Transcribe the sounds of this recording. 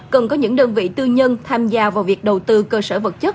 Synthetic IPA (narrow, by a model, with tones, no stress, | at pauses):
kə˨˩nkɔ˨˦ɲɨ̰˧˥ŋɗəː˧nvḭ˧˨t̪ɨ˧ɲə˧nt̪ʰaː˧mzaː˧vaː˨˩wvi˨˩ək̚ɗə˨˩wt̪ɨ˧kəː˧səː˧˩və˨˩t̚t͡ɕə˦˥t̚